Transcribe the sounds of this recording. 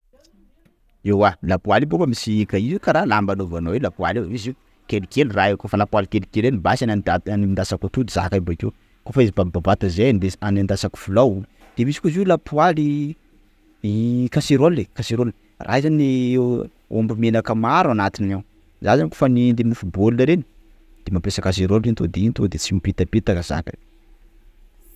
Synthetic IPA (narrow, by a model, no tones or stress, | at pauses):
ewwalapualebokəmisiikaizekaɾalambanovanowelapualemizi | kelikeliraekofalapualkelikelenibasananaaniind̪asakat̪ud̪iza̰kabakew | kofaizibababat̪azeneanand̪asaku̥fulawu | d̪̥emisi̥kuzilapuali | kaseɾolːekaseɾol | rʔa̰izane | o̰mbimenakəmaɾanat̪inaw | zazanko̥fanind̪eminifubolnəɾeni̥ | d̪̥emapesakas̬eɾolint̪od̪eint̪od̪et͡simipit̪apit̪akəz̥a̰kə̰